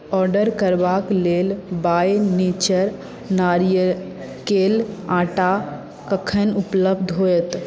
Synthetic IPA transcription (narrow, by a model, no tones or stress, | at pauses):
ɔɾɖəɾkəɾbaklelbajnit͡ʃəɾ | naɾjə | kelãʈa | kəkʰənupləbd̪ʱɦojət̪